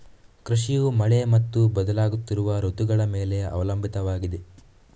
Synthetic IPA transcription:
kɾiʂijumɐɭemɐt̪ːubɐd̪ɐlaːɡut̪ːiɾuʋɐɾot̪uɡɐɭɐme̞ːle̞ɐ̰ʋɐlɐmbʱit̪ɐʋaːɡid̪e

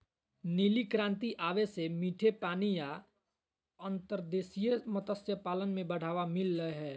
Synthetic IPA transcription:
niːlikɾãːnt̪iʔaːʋesemiːʈʰepaːnija | ə̃nt̪əɾd̪eːsijəmət̪əsjəpaːlənmẽbəɽ̤aːʋamɪlɾəɦeɦɛː

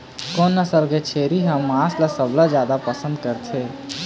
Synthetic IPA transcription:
konːəsəɾɡet͡ʃʰeɾiɦəmːãsləsəbʱlad͡ʒjad̪apəsə̃nd̪̚kəɾtʰɛ

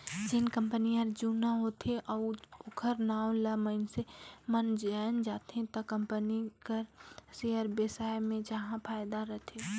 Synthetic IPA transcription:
d͡ʒɪnkə̃mpənijəɾd͡ʒunaɦot̪ʰeʔɔʊkʰəɾnaːw̃ləməɪnsemənd͡ʒaːnd͡ʒaːt̪ɦẽt̪ɐkəmpənikəɾseəɾbesaːjmẽd͡ʒaɦãpʰaːjd̪aɾəɦt̪ʰe

